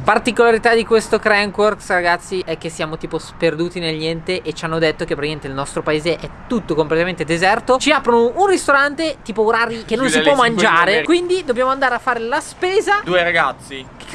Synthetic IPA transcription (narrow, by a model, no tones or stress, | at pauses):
part̪ikolaɾit̪ad̪ikwest̪okɾɛŋkworksraɡat̪sːiʔɛk̟ːesːjaːmot̪iːposperd̪uːt̪inelɲɛnt̪eʔet͡ʃanːod̪et̪ːok̟epːɾiɲent̪eilnɔst̪ɾopaeːzeʔɛt̪ːut̪ːokomplet̪ament̪ed̪ezɛrt̪ot͡ʃiaːpɾonoʔunrist̪oɾant̪et̪iːpooɾaɾikenːonsipwɔmːand͡ʒaːɾekwind̪id̪obːjaːmoand̪aːɾeafːaːɾelaspeːzad̪uːeɾaɡat̪sːi